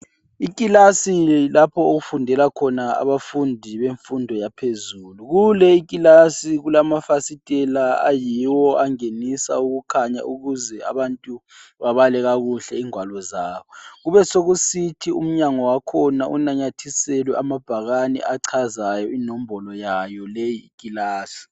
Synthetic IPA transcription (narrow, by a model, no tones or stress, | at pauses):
ikʼilasilapʰɔoɣufundʱɛlakʰɔnaa̰βafundʱiβeɱfundʱɔjapʰezuːluɣulɛikʼilasiɣulamafasitʼɛlaa̰jiwɔʔaŋenisa̰uɣukʰaɲa̰ʔuɣuzɛa̰βantʼuβaβalɛɣaɣuɬɛiŋwalɔzaːβɔɣuβɛsoɣusitʰiṵm̩ɲaŋɔwakʰɔnaʔunaɲatʰisɛlwɛʔamab̥ʱaɣanɛ̰ʔaǀʰazajɔinɔm̩bɔlɔjajɔlejiːkʼilaːsi̥